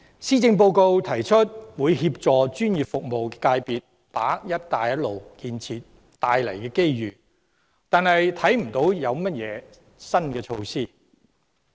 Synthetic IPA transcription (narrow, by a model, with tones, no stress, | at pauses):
siː˥t͡sɪ˧ŋp̬o˧wko˧wt̪ʰɐ˨˩jt͡ʃʰɵ˥t̚wuː˨˧jɦiː˧p̚t͡sɔː˨t͡ʃyː˥njiː˨˩p̚fʊ˨k̚mo˨wkɛ˧kaː˧jpiː˨t̚ | paː˨˥jɐ˥t̚t̪aː˨jɐ˥t̚lo˨wkiː˧nt͡sʰiː˨t̚ | t̪aː˨jlɐ̰˨˩jkɛː˧ke˥jjyː˨ | t̪aː˨˧nhɐ˨jt̪ʰɐ˨˥jm̩˨˩t̪o˨˥wjɐ˨˧wmɐ˥t̚jɛː˨˧ | sɐ˥nkɛː˧t͡ʃʰo˧wsiː˥˩